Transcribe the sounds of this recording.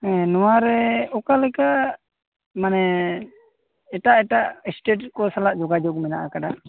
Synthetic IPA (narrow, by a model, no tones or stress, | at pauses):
ɛnɔwaɾɛɔkalɛka | manɛ | ɛʈaʔɛʈaʔɛsʈeʈ̚kɔsalaʔd͡ʒɔɡad͡ʒɔk̚mɛna̰ʔakaɖa